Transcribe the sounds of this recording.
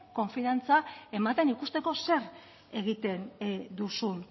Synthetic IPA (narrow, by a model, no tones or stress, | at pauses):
ko̞ɱfiant͡sae̞mat̪e̞nikust̪e̞ko̞se̞r | e̞ɣ̞it̪e̞nd̪usun